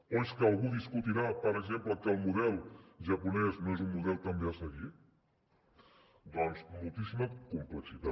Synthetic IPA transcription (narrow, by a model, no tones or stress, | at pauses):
oskəəlˠɣuðiskut̪iɾapəɾəɡzempləkəlˠmuðɛlˠʒəpunɛsnoezunmuðɛlˠt̪əmbeasəɣi | d̪ɔnzmulˠt̪isiməkumpləksit̪a